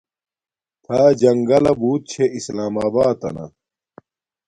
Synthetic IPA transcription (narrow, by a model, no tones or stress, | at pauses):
t̪ʰaːd͡ʑɐŋɡɐlɐbuːt̪̚t͡ɕʰeʔislaːmaːbaːt̪ɐ̰nɐ̰